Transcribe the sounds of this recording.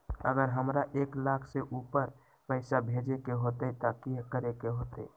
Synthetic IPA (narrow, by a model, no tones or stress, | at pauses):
əɡəɾɦəmɾaʔeklakʰseʔupəɾ | pəɪsabʱed͡ʒekeɦot̪ɛt̪əkikəɾekeɦot̪ɛ̰